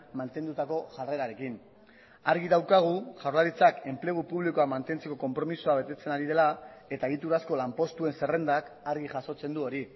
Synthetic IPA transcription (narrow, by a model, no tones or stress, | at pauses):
mant̪e̞nd̪ut̪ako̞ʝare̞ɾaɾe̞kin | aɾɣiðawkaɣ̞uʝawɾlaɾit͡sake̞mple̞ɣ̞upuβlikoamant̪e̞nt͡se̞ko̞ko̞mpɾo̞misuaβe̞t̪e̞t͡se̞naɾið̞elae̞t̪aeɣit̪uɾasko̞lampo̞st̪ue̞nse̞re̞nd̪akaɾɣiʝaso̞t͡se̞nd̪uo̞ɾi